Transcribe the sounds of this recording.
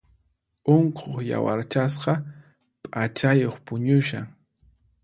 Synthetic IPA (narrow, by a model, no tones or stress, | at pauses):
oɴqʰoχja̰wa̰ɾt͡ʃas̬qɑ | pʼat͡ʃajoχpʊɲʊʃaŋ